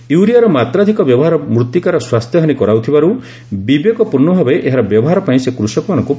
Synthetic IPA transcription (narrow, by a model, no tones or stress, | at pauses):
juɾijaɾɔmat̪ɾad̪ʱikɔbjɔbɔɦaɾɔmɾut̪ːikaɾɔswast̪ʰjɔɦanikɔɾawt̪ʰibaɾu | bibekɔpuɾnɔbʱabeʔeɦaɾɔbjɔbɔɦaɾɔpaĩsekɾusɔkɔmanɔŋku